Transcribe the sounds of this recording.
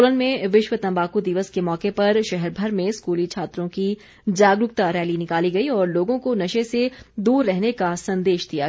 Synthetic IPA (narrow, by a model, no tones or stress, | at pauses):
lənmẽʋɪʃʋət̪ɐ̃mbaːkud̪ɪʋəskemɔːkepɐɾʃɛɦɛɾbʱɐɾmẽskuːlit͡ʃʰaːt̪ɾõki | d͡ʒaːɡɾʊkt̪aɾɛːlinɪkaːliɡɐiɔːɾloːɡõkonɐʃesed̪uːɾːɛɦnekasɐ̃nd̪eːʃd̪ija